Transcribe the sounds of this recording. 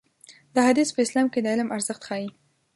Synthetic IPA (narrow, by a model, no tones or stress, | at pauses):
d̪̥əɦad̪ispəɪslɑmked̪əɪlmaɾzəxt̪xɑji